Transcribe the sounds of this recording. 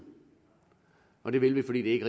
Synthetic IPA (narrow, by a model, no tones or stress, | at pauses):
ɒ̽d̥e̝ʋe̝lʋifɒ̽dḭːdee̝ɡ̥əʁe